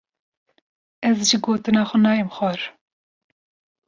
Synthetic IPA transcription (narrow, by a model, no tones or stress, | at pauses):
ɛzʒiɡoːt̪ɨnɑːxʷʊnɑːjəmxɑɾ